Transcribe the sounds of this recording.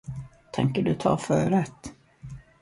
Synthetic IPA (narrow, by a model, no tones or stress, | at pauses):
t̪ʰɛ̰ŋkəɖɵt̪ʰɑ̰ːfœːɾɛt̪ː